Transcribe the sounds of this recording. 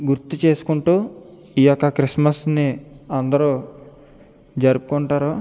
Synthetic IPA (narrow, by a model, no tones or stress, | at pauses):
ɡuɾt̪ːut͡ʃe̞ːsu̥kuɳʈuː | ijɔkːɐkɾismɐsniɐnd̪ɐɾuː | d͡ʒɐɾupu̥koɳʈaːɾoː